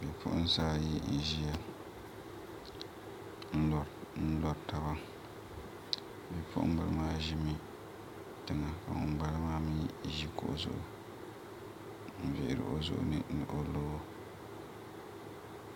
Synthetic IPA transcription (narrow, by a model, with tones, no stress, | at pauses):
bi˨pʰʊ̰˦ʔʊ˦n˦saː˦ji˦n̩˨ʒi˦a˨ | n̩˦˨n̩˦lɔ˦ta˦ba˦ | bɛ˨pʰʊ̰˦ʔʊ̰̃˦m˦bɨ˨lɨ˦maː˦ʒi˦mi˦ | tɨ˨ŋa˨ka̰˨ŋʊ̰˨ŋ͡mɡ͡ba˦lɨ˦maː˦mi˦ʒi˦ko˦˨ʔzʊ̰˦ʔʊ˨ | n̩˨vɪ̰˨ʔɪ˨ɾɨ̰˨ʔo˦zʊ̰˦ʔʊ̰˦˨nɨ̰˦nɨ˨ʔo˦lo˦o˦